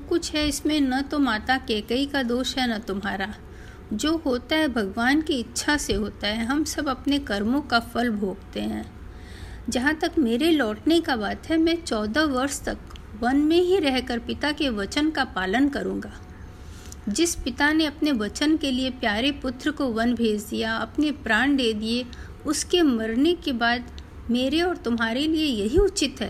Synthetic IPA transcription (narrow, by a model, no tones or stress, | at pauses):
d͡ʒkʊt͡ʃʰɦɛɪsmẽnɐt̪omaːt̪akɛːkəikad̪oːʃɦɛnɐt̪ʊmɦaːɾa | d͡ʒoːɦoːt̪aɦɛbʱɐɡʋaːnkiɪtːʃʰaseɦoːt̪aɦɛɦɐmsɐbɐpnekɐɾmõkafɐlbʱoːɡt̪eɦɛ̰̃ː | d͡ʒɐɦãt̪ɐkmeːɾelɔːʈnekabaːt̪ɦɛmɛ̃ːt͡ʃɔːd̪aʋɐɾst̪ɐkʋɐnmẽɦiɾɛɦkəɾpɪt̪akeʋɐt͡ʃənkapaːlənkɐɾũːŋɡaː | d͡ʒɪspɪt̪aneɐpneʋɐt͡ʃənkeliepjaːɾepʊt̪ɾəkoʋɐ̃nbʱeːd͡ʒd̪ijaɐpnepɾaːɳɖ̪eːd̪ie | ʊskemɐɾnekebaːd̪ | meːɾeɔːɾt̪ʊmɦaːɾeliejɐɦiʊt͡ʃɪt̪ɦɛː